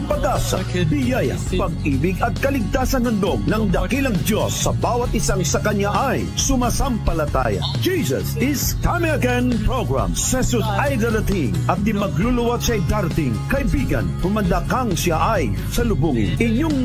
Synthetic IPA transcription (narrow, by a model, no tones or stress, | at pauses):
pɐɡasɐ̰bɪjajɐ̰pɐɡ̚iːbɪɡɐt̪̚kɐlɪɡ̚t̪aːsɐnhɐnd̪oɡ̚nɐŋd̪ɐkilɐŋd̪josːɐbaːwɐt̪̚ɪsaŋsɐkɐɲaʔɐj | sʊmasampɐlɐt̪a̰jɐ̰ | d͡ʒisɐ̰sɪskamɪ̃ŋɐɡɛ̃npɹoɡɹa̰msɛsʊtajd̪ɐɾɐt̪iŋɐt̪̚d̪ɪmɐɡlulʊwat̪ʃajd̪aɾt̪ɪŋkɐɪbiɡɐ̰npʊmɐd̪akaŋsjaʔɐj | sɐlʊbuŋɪ̰nɪɲoŋ